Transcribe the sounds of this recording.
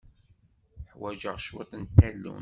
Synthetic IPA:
ħwæʒəʁʃwet̪ˤnt̪ːælːṵn

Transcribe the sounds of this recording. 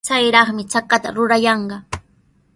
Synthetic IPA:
t͡sajɾɑχmɪt͡sakat̪a̰ɾʊɾajɑɴɢɑ

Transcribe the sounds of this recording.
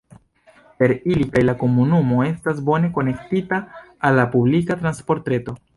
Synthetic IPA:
pe̞ɾilikajlako̞munumo̞e̞stas̬bo̞ne̞ko̞ne̞ktitaː | lːapublikatɾanspo̞ɾtɾe̞to̞

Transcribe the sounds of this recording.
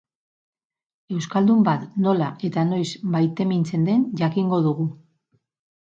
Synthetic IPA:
e̞wskald̪umbat̪no̞laʔe̞t̪ano̞jsbajt̪e̞mint͡se̞nd̪e̞nʝakiŋɡo̞ðuɣu

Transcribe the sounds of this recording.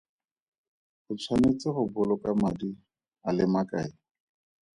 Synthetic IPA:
χʊt͡sʰwanet͡sɪχʊbʊlɔkʼamadi | alɪmakʼaɪ

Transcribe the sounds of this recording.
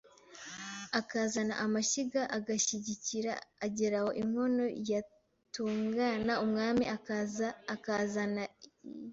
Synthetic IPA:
akazanaʔamaʃiɡaʔaɡaçiɟiciɾa̰ːɟeɾaho̞ʔim̥ho̞no̞ja | tuːŋɡanaumŋaːmia | kazana

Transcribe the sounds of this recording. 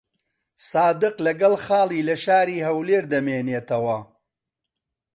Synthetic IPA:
saːd̪ɨqlɐɡɐlˠxɑːlˠiːlɐʃaːɾiːɦɐwleːɾd̪ɐmeːneːt̪ɐwɐ

